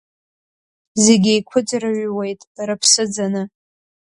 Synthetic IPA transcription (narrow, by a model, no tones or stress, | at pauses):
zeɡʲejkʷʰʊd͡zraʒwejtʼɾapʰsɨd͡zanɨ